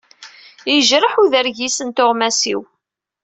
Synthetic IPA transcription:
jiʒɾəħuðəɾʝisənt̪ʊʁmæsḭw

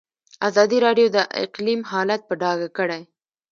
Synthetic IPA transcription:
azɑd̪iɾɑɖjod̪əʔɪ̰qlimɦɑlat̪̚pəɖɑɡakəɽaj

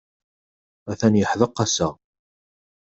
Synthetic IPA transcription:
æθænjəħðəqːɑsæ

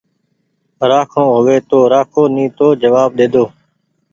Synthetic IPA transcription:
ɾaːkʰõːɦʊʋeːt̪oːɾaːkʰoːnĩːt̪oːd͡ʒəʋaːb̚ɗ̪eːd̪oː

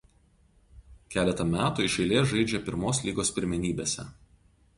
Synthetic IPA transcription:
kʲæːlʲɛt̪ɐmʲæːt̪uːɪʃʲɛɪlʲeːsʒɐɪd͡ʒʲɛpʲɪɾmoːslʲiːɡoːspʲɪɾʲmʲɛnʲiːbʲeːsʲɛ̰

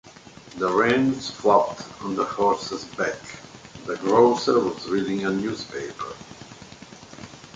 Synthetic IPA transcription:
ðəɹẽnsflɔp̚tə̃nðəhɔɹsəzbɛkðəɡɹoʊsə˞wɔzɹidɪ̃ŋənjuːzpeɪpə̰˞

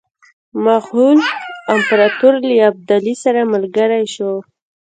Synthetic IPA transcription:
maxhulampɾat̪uɾləjab̚d̪alisaɾaməlɡəɾajʃo

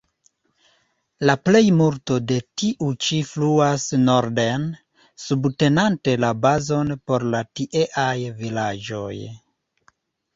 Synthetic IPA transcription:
laple̞jmulto̞de̞tiʔut͡ʃifluasnoɾden | subte̞nante̞labazo̞npo̞ɾlatiʔe̞ʔajvilad͡ʒo̞̰j

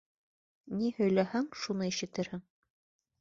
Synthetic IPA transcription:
nihɵ̆jlæhæŋʃunɤiʃɘ̆t̪ɘɾhɘŋ

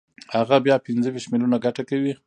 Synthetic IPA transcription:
haɣabjɑpɪnzəwiʃtmɪlunaɡaʈakawi

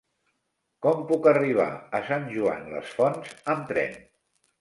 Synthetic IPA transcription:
kɔmpukəriβ̞a̰əsanʲʒua̰nlə̰sfɔnzəmt̪ɾɛ̰n

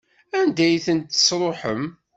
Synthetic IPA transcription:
ænd̪æjθənt̪ːə̥sɾˤoħəm

